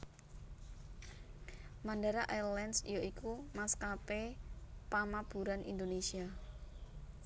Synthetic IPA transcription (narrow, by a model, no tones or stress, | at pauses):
mandaɾaʔalɛnsjoikumaskapepamab̥uɾanḭnd̪onesia